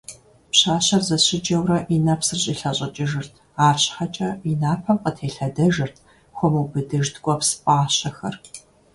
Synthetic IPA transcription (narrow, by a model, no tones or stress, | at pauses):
pɕaːɕɐrzɐɕɪd͡ʒɐwrɐʔinɐpsɨrɕʼiɬɐɕʼɐt͡ʃʼɪʒɨrtʰ | aːɕħɐt͡ʃʼɐinaːpʰɐmqətʰeːɬɐdɐʒɨrtʰ | xʷɔmuːbɨdɨʒdɡʷʼɔpsɨpʼaːɕɐxɐ̰r